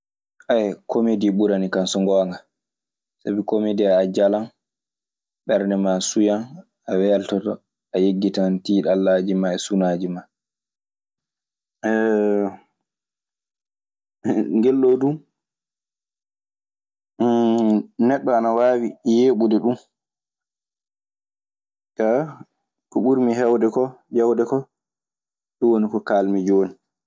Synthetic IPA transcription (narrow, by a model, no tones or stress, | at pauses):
ʔajkʰomediɓuɾanikansɔŋɡɔŋɡa | sabikomediaːd͡ʒalan | ɓɛɾnɛmasujan | awɛltɔtɔ | ajeɡːitantiːɗalːad͡ʒimaɛsunaːd͡ʒima | ɛ | ŋɡɛlːodum | nɛɗːɔanawaːwijeːɓudɛɗum | ka | kuɓuɾmiɦɛwdɛkɔd͡ʒawdɛkɔ | ɗɔwonikɔkaːlmid͡ʒoːni